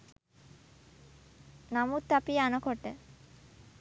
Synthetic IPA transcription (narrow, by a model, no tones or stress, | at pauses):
namut̪ːapianokoʈe